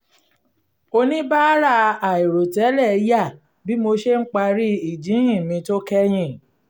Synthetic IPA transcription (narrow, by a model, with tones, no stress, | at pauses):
o˧nĩ˦ba˦ɾa˧a˨i˨ɾo˨tɛ˨˦lɛ˦˨˦ja˦˨ | bi˦mo˧ʃe˦ŋ̩˦k͡pa˧ɾi˦i˦˨d͡ʒĩ˨˦ɦĩ˦˨mĩ˧to˦kɛ˦j̃ĩ˦˨